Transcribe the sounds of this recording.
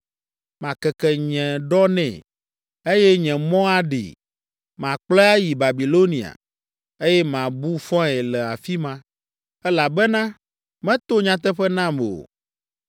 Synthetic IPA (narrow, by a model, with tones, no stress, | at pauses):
mã˨kɛ˨kɛ˨ɲɛ̃˨ɖɔ˦nɛ̰̃˨ | e˦jɛ˦ɲɛ̃˨mɔ̃˦a˦ɖḭ˨ | mã˨k͡plɔ˦a˦ji˨ba˨bi˨lo˦nĩ˨a̰˨ | e˦jɛ˦mã˨bu˦fɔ̃˦ɛ˨lɛ˨a˨fi˦mã˦ | ɛ˦la˨bɛ˦nã˦ | mɛ̃˦t̪o˦ɲã˦t̪̬ɛ˦ɸɛ˦nã˦m˨o̰˨